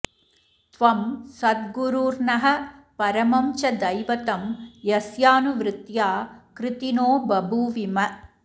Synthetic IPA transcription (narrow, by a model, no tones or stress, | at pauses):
t̪ʋɐmsɐd̪̚ɡuɾuːɾnɐɦɐ̆pɐɾɐmɐmt͡ʃɐd̪ɐjʋɐt̪ɐmjɐsjaːnuʋɾɪt̪jaːkɾɪt̪inoːbɐbʱuʋimɐ